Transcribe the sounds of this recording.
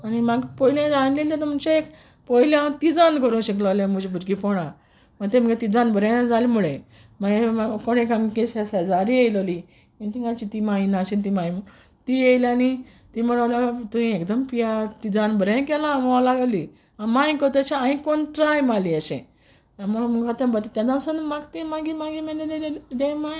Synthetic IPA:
animaɡpɔjilãd͡zanlelt͡ɕat̪ummt͡ɕeek | pɔiljãt̪id͡zankəɾũɕəklalãmud͡ʑebuʈɡipɔɽ̃ã | məɡt̪ẽməɡet̪id͡zanbəɾẽd͡zalimuɭe | maɡmakonekamkesesed͡zaɾiejləli | int̪iŋɡãt͡ɕit̪imainaɕint̪imaim | t̪ijejlani | t̪iməɽəljat̪uĩekd̪əmpijat̪id͡zanbəɾẽkɛlamɔalaɡali | ãmãĩkɔt̪ət͡ɕaãĩkonʈɾajmaliəɕḛ̃ | amuɭaməɡɡat̪ãbət̪t̪jad̪ãsənmaɡt̪imaɡimaɡimẽnẽd̪ed̪emã

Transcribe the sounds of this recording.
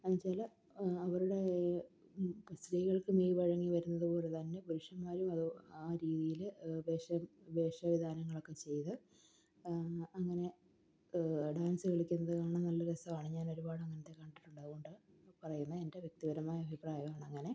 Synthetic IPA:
ɐnt͡ɕaːlɐ | ɐʋɐɾuɽe̞ | st̪riːɣɐɭkɨmiːjiʋɐɻɐŋːiʋɐɾunːɐðɨpo̞ːle̞t̪ɐnːe̞puɾuʂɐmːaːɾumɐðuaːɾiːðijilbeːʂɐmbe̞ːʂɐʋid̪ʱaːnɐŋːɐɭo̞kːe̞t͡ɕe̞jt̪ɨ | ɐŋːɐne̞ | ɖaːnsɨʋeɭikʲːunːɐðɨkaːɳɐmnɐlːɐɾɐsɐmaːɳɨɲaːno̞ɾubaːɽɨɐŋːɐnɐt̪ːe̞kːɐɳɖiʈːuɳɖɐðɨɣo̞ɳɖɨ | pɐrɐjunːɐende̞ʋjek̚t̪iɣɐɾɐmaːjɐɐbʱipraːjɐmaːɳɨɐŋːɐne̞

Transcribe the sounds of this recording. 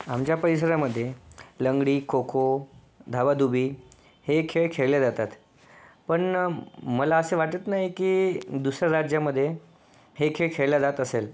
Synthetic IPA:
amt͡ɕjapəɾis̬əɾaməd̪ʱːjeləŋɡɽiːkʰokʰo | d̪ʱaʋad̪ubʱiː | hekʰeɭkʰeɭljead͡zat̪at̪ | pəɳməlaəseʋaʈət̪naɦjikiːd̪usɾaɾad͡ʑjaməd̪ʱːje | hekʰeɭkʰeɭlad͡zat̪əsel

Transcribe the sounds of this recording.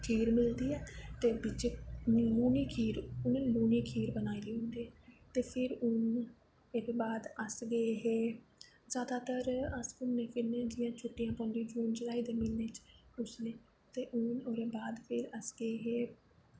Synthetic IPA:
kʰiːɾmɪld̪iːɛːt̪eːbɪt͡ʃːluːniːkʰiːɾʊnẽnluːniːkʰiːɾbənaːid̪iːɦõnd̪iːɛːt̪eːpʰɪɾʊn | ekbaːd̪əsɡəeːɦeː | zjaːd̪aːt̪əɾəsʊnːẽːpʰɪɾnẽːd͡ʒɪjãːt͡ʃʰʊʈːijãːpãːnd̪ĩd͡ʒuːnd͡ʒəlaːiːd̪eːmɪlnẽːt͡ʃʊsneː | t̪eːʔʊnoːɾeːbaːd̪pʰɪɾəsɡəeːɦeː

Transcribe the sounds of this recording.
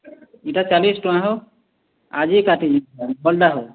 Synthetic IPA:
iʈat͡ʃalisʈoãɦo | a̰d͡ʒiekaʈʰiiabɔlɖaɦo

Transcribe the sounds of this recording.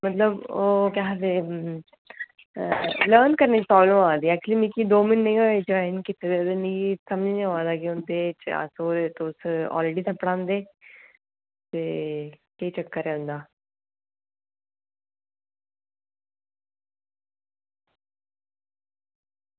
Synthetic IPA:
mət̪ləboːkaɦd̪e | ləːɾnkəɾnet͡ʃpɾɔːbləmãːd̪iːɛːk̚t͡ʃliːmĩkid̪oːmɪnːəĩɦoːed͡ʒoɪnkɪt̪ʰːed̪ed̪enisəməd͡ʒneɦoaːd̪aːkiʊ̃nd̪eːt͡ʃa̰soːɾet̪oʊsɔ̰ːlɾeːɖiːt̪ʰəpːəɽãːnd̪eː | t̪eːkəit͡ʃəkːəɾeːʊ̃nd̪aː

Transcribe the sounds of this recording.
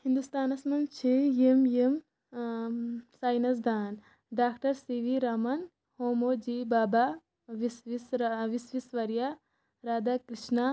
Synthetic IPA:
hĩnd̪ust̪aːnɐsmɐnt͡ʃʰijimjem | saːjnɐs̬d̪ʱaːn | ɖaːkʈɐɾsiʋiɾamɐn | hoːmoːd͡ʒiːbaːba | ʋisʋisʋisʋisʋɐɾja | ɾaːd̪akɾiʃna

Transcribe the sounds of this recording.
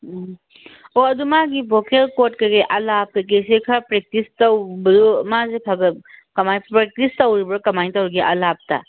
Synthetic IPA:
oɐdumaɡibokelkotkɐɡeʔɐlap̚kɐk̬esekʰapɾek̚tistawbɐdumazekʰaɡɐtkɐmajpɾek̚tistawɾibɐɾukɐmajtawɾɡiʔɐlap̚ta̰

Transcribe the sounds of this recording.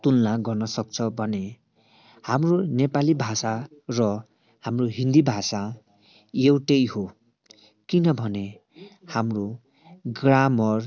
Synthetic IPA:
t̪unlaɡʌrnʌsʌk̚t͡sʰʌbʱʌne | hamronepalibʱasarʌ | hamroɦind̪ibʱasa | jewʈʌjɦo | kinʌbʱʌne | hamro | ɡramʌr

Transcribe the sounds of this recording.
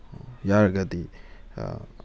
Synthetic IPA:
jaɾɡɐt̪i

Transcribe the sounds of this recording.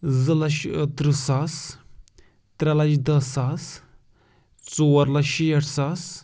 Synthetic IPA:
zɨlɐʃt̪ɾɨsas | t̪ɾʲɐlɐd͡ʒd̪ɐsas | t͡soːɐɾlɐʃijɐʈʰsas

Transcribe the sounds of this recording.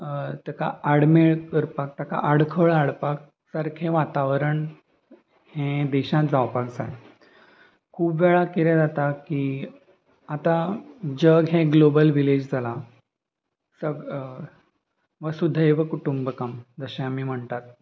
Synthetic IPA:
t̪jaka̰aɽmeɭkəɾpak̚t̪jaka̰ʔaɽkʰəɭaɽpak̚ | saɾkʰẽʋat̪aʋəɾəɳ | hɛ̃d̪ɛɕãt̪d͡zawpakd͡za̰e | kʰuːbʋɛɭakiɾɛ̃d͡zat̪aki | at̪ãd͡ʑəɡɦɛ̃ɡlobəlʋiled͡ʑd͡zʱala | səɡ | ʋəsud̪ʱːaeʋəkuʈumbəkamd͡z̪əɕẽamiːm̤əɳt̪at̪̚

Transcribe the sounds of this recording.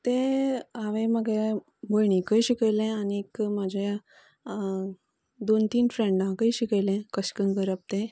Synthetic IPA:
t̪ẽaʋẽməɡej | bəjɳikəjɕikəjlɛ̃aniːkmad͡ʑʱaja | d̪ont̪iːnfɾẽɳɖãkəjɕikəjlɛ̃kəɕkənkəɾap̚t̪ẽ

